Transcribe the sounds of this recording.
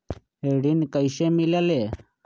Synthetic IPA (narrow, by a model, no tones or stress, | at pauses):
ɦeɽinkəjɕemiljale